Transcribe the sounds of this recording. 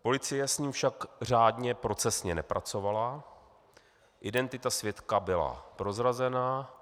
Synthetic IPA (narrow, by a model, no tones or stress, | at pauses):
po̞lɪt͡sɪjɛsɲiːmfʃakr̝aːdɲɛpɾo̞t͡sɛsɲɛnɛpɾʔat͡so̞vala | ʔɪdɛnt̪ɪt̪asvjɛt̪kabɪla̰pɾo̞zɾazɛna